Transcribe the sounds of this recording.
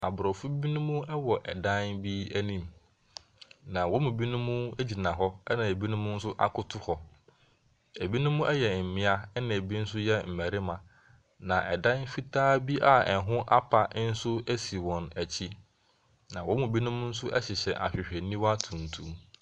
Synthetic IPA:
a˨bʊ˨ɾɔ˨fʊ˦bi˦nʊ̃˦mʊ̃˦ɛ˦wɔ˨ʔɛ̰˨dã˦nbi˦æ˦nĩ˦m | nã˨wɔ̃˦mũ˨bi˦nʊ̃˦mʊ̃˦e˦d͡ʑi˨nã˨ɦɔ˦ɛ˦nã˨e˨bi˦nʊ̃˦mʊ̃˦n̩˦sʊ˦ʔa̰˦kʰʊ˦tʰʊ˦hɔ˨ | e˨bi˦nʊ̃˦mʊ̃˦ʔɛ˦jɛ˨m̩˨mɪ̃˦a˦ɛ˦nã˨e˨bi˦n̩˦sʊ˦jɛ˦m̩˨mæ˨ɾɪ˦mã˨ | nã˨ʔɛ˨dã˦nfi˦tʰaː˦bi˦ʔa˨ɛ˨ɦʊ̃˦ʔa˦pʰa˨˦n̩˦sʊ˦e˦si˨wɔ̃˨næ˨t͡ɕʰi˦ | nã˨wɔ̃˦mũ˨bi˦nʊ̃˦mʊ̃˦n̩˦sʊ˦ʔɛ˦ɕɪ˨ɕɛ˨ʔa̰˨ɕᶣɪ˨ɕᶣɛ˨nĩ˦wa˦tʰũ˨n̩˨tʰũ˦m

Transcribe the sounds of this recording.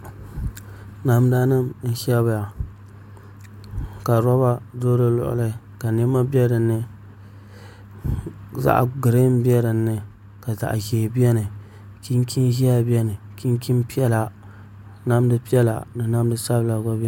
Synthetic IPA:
na˨mda˦nɨ˦mn̩˦ʃɛ˦ba˨ja˨ | ka˨ɾɔ˦ba˦doː˦lɨ˦lʊ̰˨ʔʊ̰˨lɨ˦˨ | ka˨nɛ˦mːa˦bɛ˦dɨ˨nːɨ˦ | za̰˦ʔɡɨ˨ɾe˦m˦bi˦ɛ˦dɨ˨nːɨ˦ | ka˨za̰˨ʔʒeː˨bi˦ɛ˦nɨ˨ | ki˦nki˦nʒi˦a˨bi˦ɛ˦nɨ˨ki˦n˦ki˦mpi˦ɛ˦la˨ | na˦m˦dɨ˦pi˦ɛ˦la̰˨nɨ˨na˦m˦dɨ˦sa˦bɨ˦la˨ɡa˦bɛ˦

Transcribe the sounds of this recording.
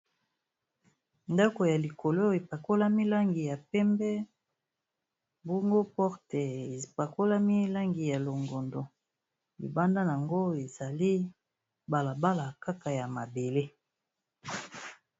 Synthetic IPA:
nda˦ko˨ja˨li˨kʰo˨lo˦e˨pa˨ko˦la˦mi˦la˦ŋɡi˨ja˨pɛ˦mbɛ˦ | bo˦ŋɡo˦pɔ˦ʁtɛ˨e˨pa˨ko˦la˦mi˦la˦ŋɡi˨ja˨lo˨ŋɡo˨ndo˨ | ḭ˨ba˦nda˦n˨a˨ŋɡo˦e˨za˨li˦ | ba˨la˨ba˦la˨ka˦ka˨ja˨ma˨be˨le˦

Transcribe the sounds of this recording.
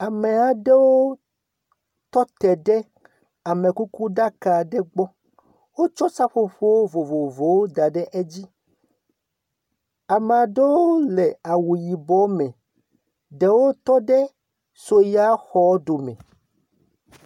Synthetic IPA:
a˨me˨a˨ɖe˦wo˦ | t̪ɔ˦t̪ɛ˨ɖɛ˦ | a˨mẽ˨ku˦ku˦ɖa˦ka˨ɖe˦ɡ͡bɔ˦ | wo˦t͡ʃɔ˦sa˦ɸo˦ɸo˦wo˦vo˨vo˨vo˨wo˦d̪a˨ɖɛ˦ʔe˦d͡ʑi˦ | a˨me˨a˨ɖe˦wo˦le˨a˨wu˨ji˨bɔ˨˦mɛ̃˨ | ɖe˨wo˦t̪ɔ˦ɖe˦ | so˨ja˦xɔ˨˦ɖo˨mɛ̰̃˨

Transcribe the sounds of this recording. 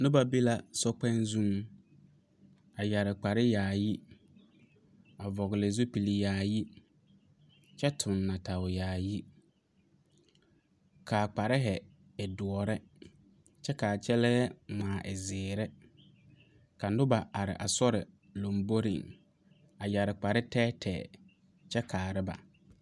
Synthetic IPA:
nʊ˦ba˨bi˦la˦sɔ˦k͡pɛ̃˦nzũ˦ŋ | a˨ja˨ɾɪ˨k͡pa˨ɾɪ˦jaː˨ji˦ | a˨vɔ˨ɣɪ˨lɪ˨zu˦pi˨li˨jaː˨ji˦ | t͡ʃɛ˦tʰʊ̃˨nːa˨tʰa˨ʊ˨jaː˨ji˦ | kʰa˨k͡pa˨ɾɪ˦ɦɛ˨ | ɛ˨dʊ˨ɔ˨ɾɛ˦ | t͡ʃɛ˦ka˨t͡ʃɛ˦lɛː˦mãː˨ʔɪ˨zɪː˨ɾɛ˦ | ka˨nʊ˦ba˨ʔa˨ɾɪ̰˨ʔa˨sɔ˦ɾɪ˨ | lo˨mbo˦ɾḭ˨ŋ | a˨ja˨ɾɪ˨k͡pa˨ɾɪ˦tɛː˦tʰɛ̰ː˨ | t͡ʃɛ˦kʰaː˨ɾɪ˦ba̰˨

